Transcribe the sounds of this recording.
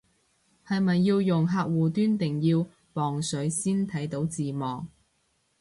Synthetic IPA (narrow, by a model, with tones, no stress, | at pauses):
hɐ˨jmɐ˨jːiː˧wjʊ˨˩ŋɦaː˧k̚wuː˨t̪yː˥nt̪ɪ˨˩ŋjiː˧w | pɔː˨˩ŋsɵ˨˥ɥsiː˥nt̪ʰɐ˨˥jt̪o˨˥wt͡siː˨mɔː˨˩ŋ